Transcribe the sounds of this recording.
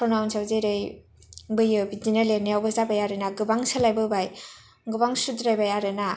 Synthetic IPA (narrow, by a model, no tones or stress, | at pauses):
ɔnawnsawzejɾej | bɯjɯbidinalenijawbazabajaɾɯnaɡɯbaŋsalajbɯbaj | ɡɯbaŋsudɾajbajaɾɯna